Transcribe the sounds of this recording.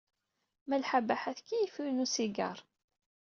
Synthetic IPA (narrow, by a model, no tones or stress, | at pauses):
mælħabæħæθkijifunusiɡɑ̰ɾˤ